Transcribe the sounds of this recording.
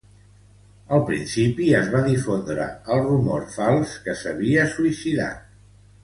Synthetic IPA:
əlˠpɾḭnsipiəzβaðifond̪ɾə̰əlˠrumɔɾfalˠskəsəβ̞iəsuisiða̰t̪

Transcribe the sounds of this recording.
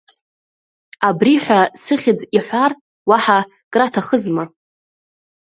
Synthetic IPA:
abriħʷᶣasɨχʲɪd͡ziħʷar | waħa | kʼratʰaχəzma

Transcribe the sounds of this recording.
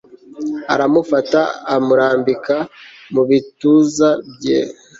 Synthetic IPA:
a̰ɾamufataːmuɾaːmbika | muβituzabjḛ

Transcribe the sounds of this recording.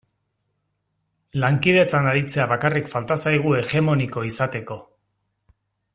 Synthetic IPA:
laŋkið̞e̞t͡sanaɾit͡se̞aβakarikfalt̪asajɣ̞ue̞ɣe̞mo̞niko̞isat̪e̞ko̞

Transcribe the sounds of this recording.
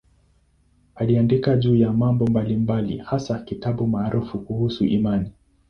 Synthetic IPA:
aliandikaʄuːjamambɔmbalimbalḭhasakitaɓumaːɾʔufukuhusṵʔimani

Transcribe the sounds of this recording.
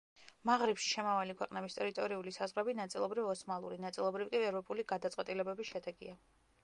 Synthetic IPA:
maʁɾipʃi̥ʃɛmavalikʰwɛqʼnɛbist̪ʼɛɾit̪ʼɔɾiulisazʁɾɛbinat̪sʼilˠɔbɾivɔsmalˠuɾinat̪sʼilˠɔbɾivkʼiɛvɾɔpʼuliɡad̪at̪sʼwɛt̪ʼilɛbɛbisʃɛd̪ɛɡia

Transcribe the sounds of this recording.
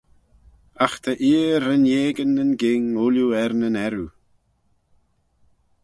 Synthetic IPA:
axt̪ʰəʔiːəɾənjeːɡənənɡɪŋʊljuɛɾnənɛɾu

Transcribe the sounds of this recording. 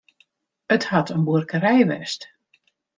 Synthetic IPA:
əthatʰənbuərkəɾɛjʋɛ̰st

